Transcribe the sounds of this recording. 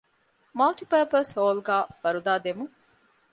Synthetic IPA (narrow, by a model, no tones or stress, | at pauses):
mɐlʈipeːpɐsoːlɡæːfɐɾud̪aːd̪emu